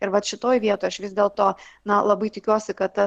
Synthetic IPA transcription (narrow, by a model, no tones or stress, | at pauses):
ɪɾʋɐt̪ʃʲɪt̪oːjʋʲiɛt̪oːjɐʃʋʲɪzʲd̪ʲeːlˠt̪oːnɐlˠɐbɐɪt̪ʲɪkʲuɔsʲɪkɐt̪t̪ɐ